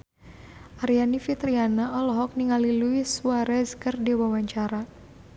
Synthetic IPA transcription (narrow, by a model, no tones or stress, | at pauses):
ʔaɾijanifit̪ɾianaʔɔlɔɦɔk̚niŋaliluisuaɾɛzkərdiwawaɲt͡ʃaɾa